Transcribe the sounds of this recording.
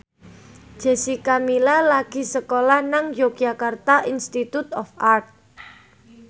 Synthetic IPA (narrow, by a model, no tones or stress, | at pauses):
ʒ̥e̤sikamilalaɡ̥i̤səkolahnaŋjoɡ̥ʒakart̪aʔinst̪it̪ut̪ɔfart̪̚